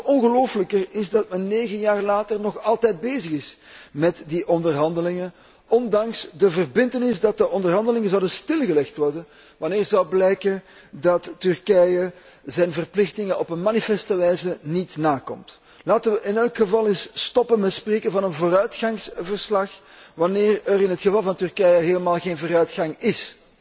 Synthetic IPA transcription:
ɔnɣəloːfələkərɪzdɑtmɛnːeːɣənjaːrlaːtərnɔxɑlˠtɛjd̚beːzəɣɪsmɛtdiʔɔndərɦɑndəlɪŋən | ɔndɑŋsdəvərbɪntənɪsdɑt̚dəʔɔndərɦɑndəlɪŋənzɔwdəstɪlˠɣəlɛxtʋɔrdən | ʋɑnɪːrzɔwblɛjkən | dɑtːʏrkɛjə | zɛjnvərplɪxtɪŋənɔpənmanifɛstəʋɛjzənitnaːkɔ̰mt | laːtəʋəʔɪnɛlˠkxəvɑlˠɪsstɔpənmɛtspreːkənvɑnənvoːɾœɥtxɑŋsvərslɑx | ʋɑnɪːrəɾɪnɦətxəvɑlˠvɑntʏrkɛjəɦeːləmaːlˠɣeːnvoːɾœɥtxɑŋɪs

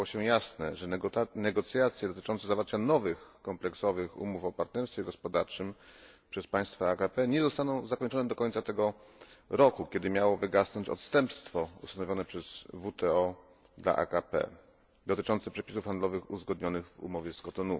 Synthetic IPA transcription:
awɔɕɛjasnɛʐɛnɛɡɔt̪sʲjat̪sʲjɛd̪ɔt̪ɘ̥t͡ʂɔnt̪sɛzavaɾt͡ɕanɔvɘxkɔmplɛksɔvɘxṵmufɔpaɾt̪nɛɾst̪fʲjɛɡɔspɔd̪aɾt͡ʂɘmpʂɛspaj̃st̪faakapɛɲɛzɔst̪anɔ̃w̃zakɔɲt͡ʂɔnɛd̪ɔkɔɲʲt̪sat̪ɛɡɔɾɔkukʲɛd̪ɘmʲjawɔvɘɡasnɔɲt͡ɕɔ̰t̪st̪ɛmpst̪fɔṵst̪anɔvʲjɔnɛpʂɛz̥vut̪ɛɔ | d̪la̰ʔa̰kapɛ̰ | d̪ɔt̪ɘt͡ʂɔnt̪sɛpʂɛpʲisufxand̪lɔvɘxṵzɡɔd̪ɲɔnɘɣvṵmɔvʲjɛskɔt̪ɔnu

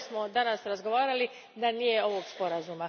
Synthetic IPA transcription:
smo̞d̪anasɾazɡo̞ʋaːɾali | d̪anije̞o̞ʋo̞ɡspo̞ɾazuma

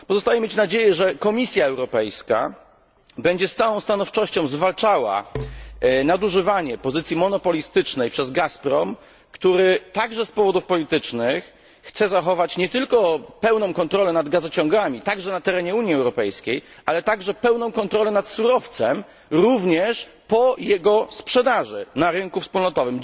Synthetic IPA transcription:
pɔzɔst̪ajɛmʲet͡ɕnad͡ʑejɛʐɛkɔmʲisʲjaɛwɾɔpɛjska̰ | bɛɲd͡ʑɛst̪sawɔ̃w̃st̪anɔft͡ʂɔɕt͡ɕɔ̃w̃zvalt͡ʂawa̰ | nad̪uʐɘvaɲɛpɔzɘt̪sʲjimɔn̪ɔpɔlʲist̪ɘt͡ʂnɛjpʂɛzɡaspɾɔm | kt̪uɾɘt̪aɡʐɛspɔvɔd̪ufpɔlʲit̪ɘt͡ʂnɘxː | t̪sɛzaxɔvat͡ɕɲɛt̪ɘlkɔpɛwnɔ̃w̃kɔnt̪ɾɔlɛnad̪ɡazɔt͡ɕɔ̃ŋɡamʲit̪aɡʐɛnat̪ɛɾɛɲɛuɲjiɛwɾɔpɛjskʲejʔalɛt̪aɡʐɛpɛwnɔ̃w̃kɔnt̪ɾɔlɛnat̪suɾɔft̪sɛm | ɾuvɲɛʂ | pɔjɛɡɔspʂɛd̪aʐɘ̰naɾɘnkufspulnɔt̪ɔvɘm

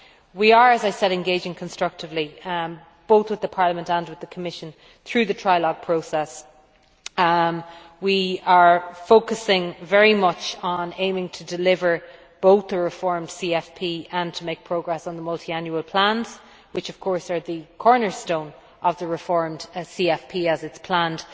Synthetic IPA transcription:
wiə˞əzaɪsɛɾɛ̃nɡeɪd͡ʒɪ̃ŋkʰə̃nstɹ̥ʌk̚tɪvli | b̥oʊθwɪðəpʰɑːɹləmə̃ntə̃nwɪðəkʰəmɪʃə̃n | θɹʉːðətʰɹ̥aɪlɔɡ̚pʰɹ̥oʊsɛs | wiə˞foʊkəsɪ̃ŋvɛɹimʌt͡ʃənẽɪ̃mɪ̃ŋtʰədɪlɪvə˞ | b̥oʊθðəɹɪfɔɹmd̥siɛfpʰiːə̃ntʰəmeɪk̚pʰɹ̥oʊɡɹɛsn̩ðəmʌlˠtʰiãnjuəlˠpʰl̥ãnz̥ | wɪt͡ʃʌv̥kʰɔɹsə˞ðəkʰɔɹnə˞stõʊ̃n | ʔəvðəɹɪfɔɹmd̥siɛfpʰiəzɪtspʰl̥ãnd̥

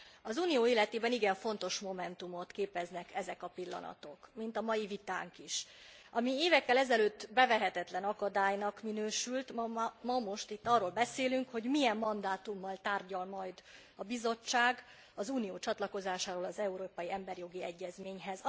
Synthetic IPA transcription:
ɒzuːnijoːiːlːɛt̪eːbɛniɡɛɱfo̞nt̪o̞ʃmo̞mɛnt̪umo̞t̪keːpɛznɛkɛzɛkɒpilːɒ̰nɒ̰t̪o̞kmint̪ɒmɒjivit̪a̰ːŋkiʃ | ʔɒmieːvɛkːɛlɛzɛløːt̪ːbɛvɛɦɛt̪ɛt̪lɛnɒkɒd̪aːjnɒkminøːʃylt̪mmɒmo̞ʃt̪it̪ːɒrːolbɛseːlyŋkho̞ɟmijɛmːɒnd̪aːt̪umːɒlt̪aːrɟɒlmɒjd̪ | ɒbizo̞t͡ʃːaːɡ | ɒzuːnijoːt͡ʃɒt̪lɒko̞zaːʃaːɾoːlɒzɛuɾoːpɒjiɛmbɛrjo̞ɡiɛɟːɛzmeːɲɦɛz

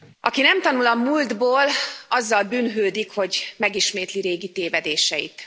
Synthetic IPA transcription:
ʔɒkinɛmt̪ɒnulɒmuːld̪boːlɒzːɒlbyːnɦøːd̪ikho̞ɟmɛɡiʃmeːt̪liɾeːɡit̪eːvɛd̪eːʃɛjit̪

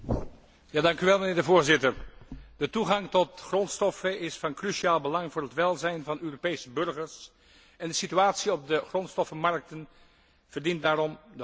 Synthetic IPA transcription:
jaːdɑŋkyʋɛlˠmənɪːɹdəvoːɹzɪtəɹd̥ətuχɑŋtɔtχrɔntstɔfəɪsfɑnkryʃiaːlˠbəlɑŋvʊːɹɦətʋɛlˠzɛjnvɑnøːropejsəbɵɹχəɹs | ɛndəsityaːtsiɔb̚dəχrɔntstɔfəmɑɹk̚tən | v̥əɹdint̚daːrɔmdə

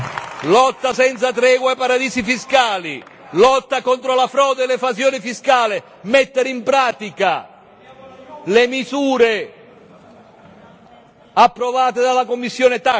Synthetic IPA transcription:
lɔt̪ːasɛnt̪sat̪ɾɛːɡwaepaɾad̪iːzifiskaːli | lɔt̪ːakɔnt̪ɾolafɾɔːd̪elevasjoːnɪfiskaːlɪ | mɛt̪ːeɾimpɾaːt̪ika | lemizuːɾe | apːɾovaːt̪ed̪alakomːisːjoːnɪt̪a

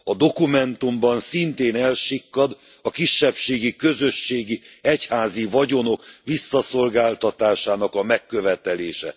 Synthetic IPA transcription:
ɒd̪o̞kumɛnt̪umbɒnsint̪eːnɛlʃikːɒd̪ | ɒkiʃːɛpʃeːɡikø̞zø̞ʃːeːɡiɛchaːzivɒɟo̞no̞kʋisːɒso̞lɡaːlt̪ɒt̪aːʃaːnɒkɒmɛkːø̞vɛt̪ɛleːʃɛ̰

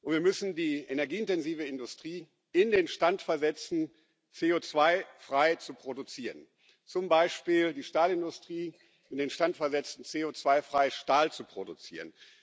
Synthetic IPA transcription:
ʔʊntviːɐmʏsn̩diːenɛɐɡiːɪntɛnziːvəɪndʊstʁ̥iː | ɪndeːnʃtantfɛɐzɛt͡sn̩ | t͡seːoːt͡sv̥aɪfʁ̥aɪt͡supʁ̥odut͡siːʁən | t͡sʊmbaɪʃpiːldiːʃtaːlɪndʊstʁ̥iː | ʔɪndeːnʃtantfɛɐzɛt͡sn̩t͡seːoːt͡sv̥aɪfʁ̥aɪʃtaːlt͡supʁ̥odut͡sḭːʁ̞ən

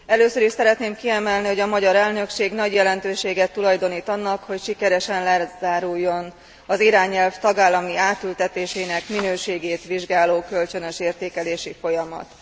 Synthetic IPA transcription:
ɛløːsøɾiʃsɛɾɛt̪neːmkiɛmɛlniho̞ɟɒmɒɟɒɾɛlnø̞kʃeːɡnɒɟjɛlɛnt̪øːʃeːɡɛt̪ːulɒjd̪o̞niːt̪ɒnːɒkho̞cʃikɛɾɛʃɛnlɛzaːɾujːo̞n | ɒziɾaːɲɛlft̪ɒɡaːlːɒmiaːt̪ylt̪ɛt̪eːʃeːnɛkminøːʃeːɡeːt̪ʋiʒɡaːloːkø̞lt͡ʃønøʃeːrt̪eːkɛleːʃifo̞jɒmɒ̰t̪

